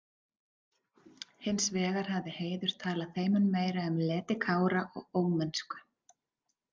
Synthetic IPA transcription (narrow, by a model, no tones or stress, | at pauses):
hɪnsvɛːɣaɾ̥havðɪheːjðʏɾ̥t̪ʰaːlaθeːjmʏnmeːjɾaʏmlɛːt̪ɪkʰaːwɾaʔɔ̰ɣoːwmɛnskʏ̥